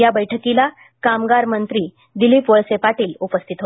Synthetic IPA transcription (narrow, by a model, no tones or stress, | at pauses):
jabəjʈʰəkila | kamɡaɾmənt̪ɾiː | d̪iliːpʋəɭsepaʈiːlupəst̪ʰit̪ɦo